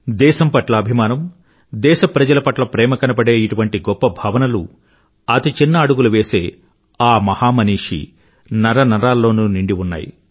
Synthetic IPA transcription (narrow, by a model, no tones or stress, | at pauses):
d̪ɛːʃɐmpɐʈlɐːbʱimaːnɐm | d̪ɛːʃɐpɾɐd͡ʒɐlɐpɐʈlɐpɾɛːmɐkɐnɐpɐɽe̞ːiʈuʋɐɳʈiɡɔpːɐbʱaːʋɐnɐlṵ | ɐt̪it͡ʃinːɐːɽuɡuluʋe̞ːse̞ː | aːmɐhaːmɐniːʂḭ | nɐɾɐnɐɾaːlːo̞ːnuniɳɖiunːa̰ːjḭ